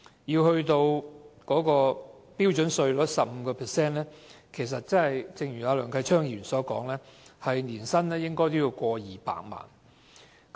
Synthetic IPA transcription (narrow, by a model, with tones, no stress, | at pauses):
jiː˧whɵ˧ɥt̪o˧wkɔː˨˥kɔː˧piː˥wt͡ʃɵ˨˥nsɵ˧ɥlɔː˨˥tsɐ˨p̚m̩˨˧˦kɔː˧pʰɛː˨˩sɛː˥nlɛː˥kʰe˨˩js̬ɐ˨t̚t͡sɐ˥nhɐ˨jt͡sɪ˧ŋjyː˨˩aː˨˧lœː˨˩ŋkʰɐ˧jt͡ʃʰœː˥ŋjyː˨˩nsɔː˨˥kɔː˨˥ŋlɛː˥hɐ˨jniː˨˩nsɐ˥nlɛː˥jɪ˥ŋkɔː˥jt̪o˥wjiː˧wkʷɔː˧jiː˨pa̰ː˧˨k̚ma̰ː˨˩n